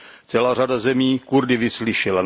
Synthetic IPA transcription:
t͡sɛlaːradazɛmiːkuɾdɪvɪslɪʃɛlan

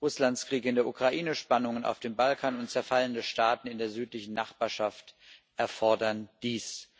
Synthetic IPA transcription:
ʁʊslanskʁ̥iːkɪndeːɐʔukʁ̥aʔiːnəʃpanʊŋəna̰ʊfd̥eːmbalkʰaːnʊntt͡sɛɐfaləndəʃtaːtn̩ɪndeːɐzyːtlɪçn̩naχb̥aːɐʃaft | ʔɛɐfɔɐdɐnd̥iːs

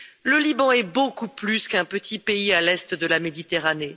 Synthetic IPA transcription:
ləlibɑ̃ɛbokuplyskɛ̃pət̪ʰipeialɛst̪d̪əlamed̪it̪eʁane

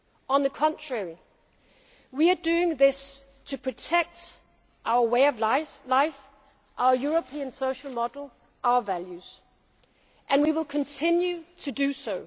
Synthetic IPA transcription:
ə̃nðəkʰɑ̃ntʰɹ̥ɛɹi | wiədʉɪ̃ŋðɪs | tʰɨpʰɹ̥ɨtʰɛk̚t | ʔaʊə˞weɪʌvlaɪf | ʔaʊə˞juɹəpʰĩɨ̃nsoʊʃəl̩ˠmɑdl̩ˠ | ʔaʊə˞vælˠjʉz̥ | ʔɨ̃nwiwɪlˠkʰə̃ntʰɪ̃njʉtʰɨdɨsoʊ

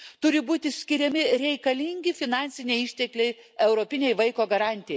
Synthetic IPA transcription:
t̪ʊɾʲɪbuːt̪ʲɪsʲkʲɪɾʲɛmʲɪɾʲɛɪkɐlʲiŋʲɡʲɪfʲɪnɑnʲsʲɪnʲɛɪɪʃʲt̪ʲɛklʲɛɪ | ɛʊɾoːpʲɪnʲɛɪʋɐɪkoːɡɐɾɑˑnʲt̪ʲɪjɛɪ

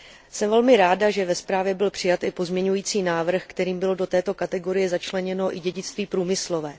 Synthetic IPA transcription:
sɛmvɛlmɪɾaːdaʒɛvɛspɾaːvjɛbɪlpr̝̥ɪjat̪ʔɪpo̞zmɲɛɲujiːt͡siːnaːvr̩xkt̪ɛɾiːmbɪlodo̞t̪ɛːt̪o̞kat̪ɛɡo̞ɾɪjɛzat͡ʃlɛɲɛno̞ʔɪɟɛɟɪt͡st̪viːpɾuːmɪslo̞vɛː

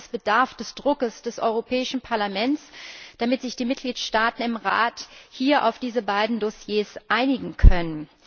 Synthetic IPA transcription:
sb̥ədaɐfd̥ɛsd̥ʁʊkəsd̥ɛsʔɔʏʁopʰɛːɪʃn̩pʰaɐlamɛntsd̥amɪtz̥ɪçd̥iːmɪt̚ɡ̥liːtʃtaːtn̩ɪmʁa̰ːthiːɐʔa̰ʊfd̥iːzəbaɪdn̩dɔsjeːsʔaɪnɪɡŋ̩kʰœnən

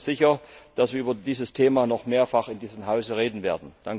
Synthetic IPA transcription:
z̥ɪçɐd̥asv̥iːɐʔyːbɐdiːzəstʰeːmaːnɔχmeːɐfaχɪndiːzəmɦaʊzəʁeːdn̩veːɐdn̩d̥aŋ

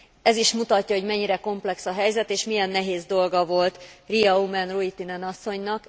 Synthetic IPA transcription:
ɛziʃmut̪ɒcːɒɦo̞ɟmɛɲːiɾɛko̞mplɛksɒɦɛjzɛt̪eːʃmijɛnːɛɦeːzd̪o̞lɡɒvo̞lt̪rijɒumɛnroit̪inɛnɒsːo̞ɲnɒk

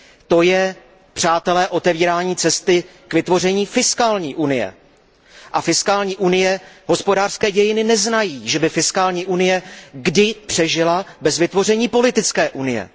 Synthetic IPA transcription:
t̪o̞jɛ | pr̝̥aːt̪ɛlɛːʔo̞t̪ɛviːɾaːɲiːt͡sɛst̪ɪ | kvɪt̪vo̞rɛɲiːfɪskaːlɲiːʔunɪjɛ̰ | ʔafɪskaːlɲiːʔunɪjɛɦo̞spo̞daːr̥skɛːɟɛjɪnɪnɛznajiːʒɛbɪfɪskaːlɲiːʔunɪjɛɡdɪpr̥ɛʒɪlabɛzvɪt̪vo̞r̝ɛɲiːpo̞lɪt̪ɪt͡skɛːʔunɪ̰jɛ̰

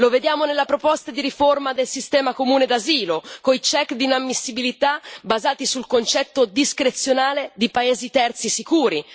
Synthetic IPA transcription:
loved̪jaːmonelːapɾopɔst̪ad̪iɾiformad̪elsist̪ɛːmakomuːned̪aziːlokoit͡ʃɛkd̪inamːisːibilit̪abazaːt̪isulkont͡ʃɛt̪ːod̪iskɾet̪sːjonaːled̪ipaeːzit̪ɛrt̪sisikuːɾi

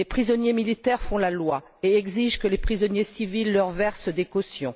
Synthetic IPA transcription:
lepχizɔnjemilit̪ɛʁfɔ̃lalwa | eɛɡziʒkəlepχizɔnjesivilːœʁvɛʁsd̪ekɔsjɔ̃

